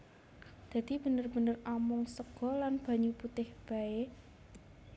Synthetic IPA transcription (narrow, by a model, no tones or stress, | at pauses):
d̪̥a̤d̪̥i̤b̥ə̤nərb̥ə̤nəramʊŋsəɡ̥ɔ̤lanb̥ä̤ɲuput̪ɪhb̥a̤e